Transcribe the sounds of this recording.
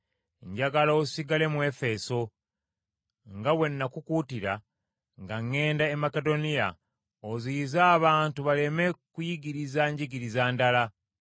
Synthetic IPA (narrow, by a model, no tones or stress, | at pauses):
ɲɟaɡalosiɡale̞mwe̞fe̞so̞ | ŋɡawe̞nːakukutiɾa̰ | ŋɡaŋːe̞ːndaemakedo̞nija̰ | ozizaːβaːntuβale̞me̞kujiɡiɾizaɲɟiɡiɾizaːndala